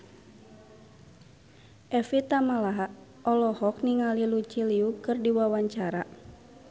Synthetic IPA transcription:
ʔɛfit̪amalaɦa | ɔlɔhɔk̚niŋalilut͡ʃiliukɨrdiwawaɲt͡ʃaɾa̰

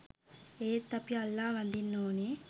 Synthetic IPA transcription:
eːt̪ːɐpjɐɐlːaːʋɐnd̪inːoːneː

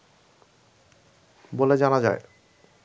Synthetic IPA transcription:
boled͡ʑanad͡ʑae

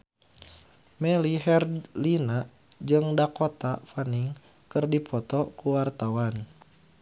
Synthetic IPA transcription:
mɛliɦɛrlina | d͡ʒɨŋdakot̪afaniŋ | kɨrdipʰɔt̪ɔkuwart̪awan

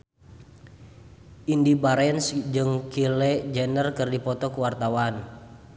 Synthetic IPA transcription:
ʔindibaɾɛnsd͡ʒɨŋkilɛd͡ʒɛnərkɨrdipɔt̪ɔkuwart̪awan

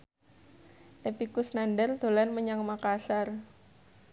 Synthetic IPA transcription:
ʔepikʊsnandərd̪̥o̤lanməɲaŋmakasar

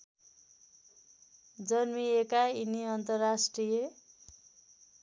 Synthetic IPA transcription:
d͡zʌnmiekainiʌnt̪ʌrːasʈrije

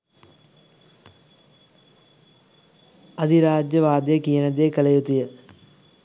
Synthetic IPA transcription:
ɐd̪ʱiɾaːd͡ʒjəʋaːd̪ejəkijənəd̪ejəkəlɐjut̪ujə

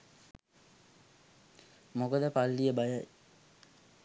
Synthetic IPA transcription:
mokəd̪əpalːijəbajəj

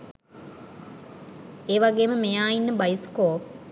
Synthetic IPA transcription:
eːʋaɡeːməmejaːjinːəbɐjiskoːp

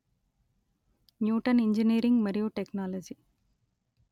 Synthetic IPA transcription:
njuːʈɐniɲd͡ʒiniːɾiŋɡmɐɾijuʈeknaːlɐd͡ʒi

